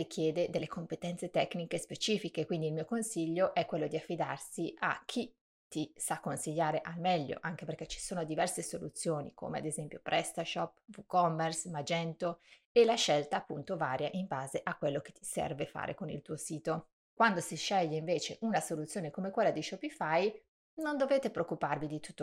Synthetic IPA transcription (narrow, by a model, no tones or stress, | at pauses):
rik̟jɛːd̪ed̪elːekompet̪ɛnt̪set̪ɛknikespet͡ʃiːfikekwind̪iːlmiːokonsiʎːoʔɛkːwelːod̪iafːid̪arsiʔa̰k̟ʰːi | t̪isakːonsiʎːaːɾeʔalmɛʎːo̰ʔaŋk̟eperk̟ɛt͡ʃi̥soːnod̪ivɛrsesolṵt̪sːjoːnḭko̰ːmea̰d̪ezɛmpjo̰pɾʔɛst̪aʃɔpːvukɔmːersmad͡ʒɛnt̪o | elːaʃɛlt̪aːpːunt̪ovaːɾjaʔimbaːzeʔakːwelːok̟e̥t̪ʰːi̥sɛ̰rvefa̰ːɾʔḛkonḭlt̪uːosiːt̪o | kwand̪osiʃːɛʎːeiɱveːt͡ʃeʔunasolut̪sːjoːnekomekwelːad̪iʃɔpifaj | nond̪oveːt̪epɾeokːuparvid̪it̪u̥t̪ːo